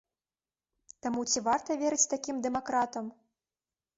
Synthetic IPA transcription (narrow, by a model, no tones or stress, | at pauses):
t̪amut͡sʲivart̪ɐvʲɛɾɨt͡sʲt̪akʲimd̪ɛmakɾat̪ɐm